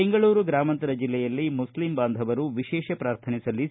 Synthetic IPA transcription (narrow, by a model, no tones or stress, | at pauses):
eŋɡɐɭuːɾuɡɾaːmɐnt̪ɐɾɐd͡ʒilːɛjɐlːimuslimbaːnd̪ʱɐʋɐɾuʋiʃɛːʃɐpɾaːɾt̪ʰɐnisɐlːi